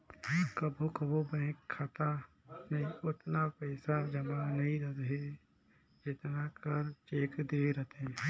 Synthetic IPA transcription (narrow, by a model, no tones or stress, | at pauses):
kəbʱokɐbobɛ̃ːkkʰːat̪a | meʊt̪napɛːsad͡ʒɐmanɐɦĩɾɐt̪ɦɛ | d͡ʒɪt̪nakəɾt͡ʃeːkd̪eːɾət̪ɦɛ̃